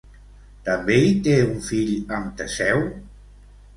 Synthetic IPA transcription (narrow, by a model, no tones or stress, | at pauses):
t̪əmbeit̪euɱfiʎəmt̪əsɛw